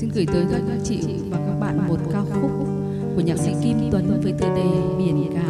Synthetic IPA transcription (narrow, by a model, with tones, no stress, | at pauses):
si˧nɣɨ˧˩jt̪əː˨˦jt̪ʰaː˨˧˩jkaː˦˥k̚t͡ɕḭ˧˨ | vaː˨˩wkaː˦˥k̚ɓaː˧˩˨nmo˨˩t̚kaː˧wxʊ˦˥k͡p̚ | ku˧˩əɲaː˨˩k̚sḭ˧˥ki˧mt̪wə˨˦nvəː˨˦jt̪əː˨˩jɗə˧˩jɓi˧˩ənkaː˨˧˩